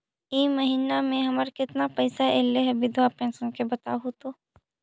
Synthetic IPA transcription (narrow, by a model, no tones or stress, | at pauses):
imɐɦiːnamẽɦɐməɾkɪt̪napɐjsaeːleɦɛbɪd̪ʱʋwapɛ̃ːnsənkebɐt̪aɦut̪oː